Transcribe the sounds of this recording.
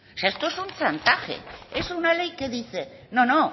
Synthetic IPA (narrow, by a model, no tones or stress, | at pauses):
saest̪oesunt͡sant̪axḛesunale̞jke̞ðiθe̞nono